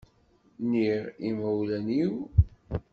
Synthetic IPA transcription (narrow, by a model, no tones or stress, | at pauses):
niʁimæwlæniw